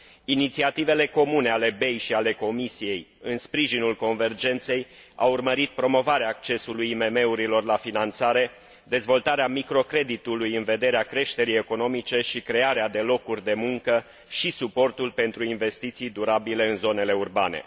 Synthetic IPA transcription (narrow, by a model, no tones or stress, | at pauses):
init̪siat̪ive̞le̞ko̞mune̞ale̞be̞jʃiale̞ko̞misije̞jɨnspɾiʒinulko̞nve̞rd͡ʒe̞nt̪se̞j | a̰wurməɾit̪̚pɾo̞mo̞vaɾeaːk̚t͡ʃe̞sulujime̞me̞uɾilo̞rlafinant̪saɾe̞ | d̪e̞zvo̞lt̪aɾeamikɾo̞kɾe̞d̪it̪ulujɨnve̞d̪e̞ɾeakɾe̞ʃt̪e̞ɾije̞ko̞no̞mit͡ʃe̞ʃikɾe̞aɾead̪e̞lo̞kurʲd̪e̞muŋkə | ʃisupo̞rt̪ulpe̞nt̪ɾuinve̞st̪it̪sijd̪uɾabile̞ɨnzo̞ne̞le̞urbane̞̰